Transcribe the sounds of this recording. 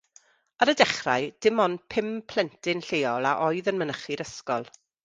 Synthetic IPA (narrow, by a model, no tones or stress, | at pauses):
aɾədɛχra̰jd̥ɪmɔnpʰɪmpʰl̥ɛntʰɪnɬeːɔlˠaʔɔɨðənmənəχiɾəskɔlˠ